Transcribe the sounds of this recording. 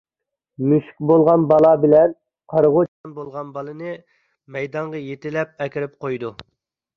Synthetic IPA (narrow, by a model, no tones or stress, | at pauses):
myʃk̚ʲbolˠʁɑnbɑlˠɑbɪlɛn | qʰɑɾʁot͡ʃʰɑnbolˠʁɑnbɑlˠɨnɨ | mɛjd̪ɑɴʁɑjet̪ɪlɛp̚ɛkʲiɾɪp̚qʰojd̪u